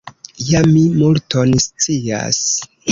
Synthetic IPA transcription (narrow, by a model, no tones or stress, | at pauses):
jamimultonst͡sia̰s